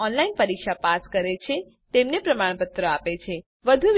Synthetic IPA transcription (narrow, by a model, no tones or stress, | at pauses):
ɔnlainpəɾikʃapaskəɾet͡ʃʰe | t̪emnepɾəmaɳ̃pət̪ɾəapet͡ʃʰe | ʋəd̪ʱuʋ